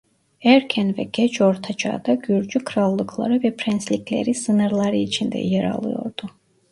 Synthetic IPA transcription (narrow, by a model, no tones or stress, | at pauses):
æɾcʰɛnvɛ̰ɟʲɛt͡ʃʰo̞ɾt̪ʰad͡ʒɑ̰ːd̪ɑɟyɾd͡ʒykʰɯɾɑlˠːɯkʰlˠɑ̰ɾɯvɛpʰɾɛnslʲicʰʲlʲḛɾisɯnɯɾlˠɑɾɯit͡ʃʰind̪ɛ̰jeɾɑ̰lˠɯ̰jo̞̰ɾd̪̥u